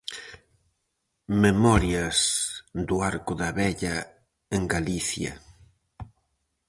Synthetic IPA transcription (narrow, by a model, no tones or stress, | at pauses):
memɔɾjɐsd̪ʊaɾkʊðaβɛʎɐ | eŋɡaliθjɐ̰